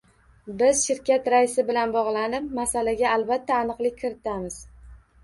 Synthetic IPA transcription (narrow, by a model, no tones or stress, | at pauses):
bɪzʃɪɾkʲʰat̪ɾaɪsɪbɪlanbɒʁlˠanɪp̚masalaɡʲaːlbat̪ʰːaːnɨqlˠɪkʲʰːɪɾɪt̪ʰamɪz̥